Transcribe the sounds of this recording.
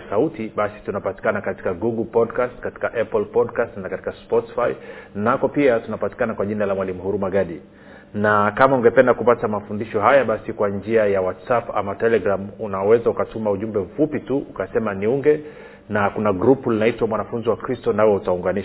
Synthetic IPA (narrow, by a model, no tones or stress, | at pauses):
sautiɓasi̥tunapati̥kanakati̥kaɡuɡlpɔdkastkati̥kaʔɛplpɔdkastnakati̥kaspɔti̥fainakɔpiatunapati̥kanakwaʄinalamwalimuhuɾumaɠaɗi | nakamauŋɡɛpɛndakupatamafundiʃɔɦajaɓasikwaɲd͡ʒiajawatsapa̰matɛlɛɡɾamunawɛzaukatumauʄumbɛm̩fupituʔukasɛmaniuŋɡɛ | nakunaɡɾupulinaitwamwanafunziwakɾistɔnawɛutauŋɡaniʃ